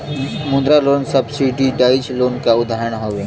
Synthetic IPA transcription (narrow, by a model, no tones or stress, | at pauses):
mʊ̃nd̪ɾaloːnsəbsiɖiɖaːɪd͡ʒloːnkaʊd̪ʱaːɾəɽ̃ɦoːʋeː